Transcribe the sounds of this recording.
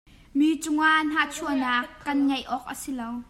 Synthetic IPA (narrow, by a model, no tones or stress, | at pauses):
miːt͡sʊŋaʔn̥aːt͡sʰuənaːkːɐnŋɐjʔɔːk̚ʔə̰silow